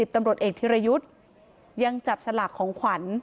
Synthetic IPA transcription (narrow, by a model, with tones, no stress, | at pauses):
i˨˩t̪a˧mɾu˨˩ət̪̚ʔeː˨˩k̚t̪ʰi˧˥ɾa˧ju˦˥t̪̚ | ja˧ŋt͡ɕa˨˩p̚sa˧laː˨˩kʰːɔː˩˦ŋkʰwa˩˦n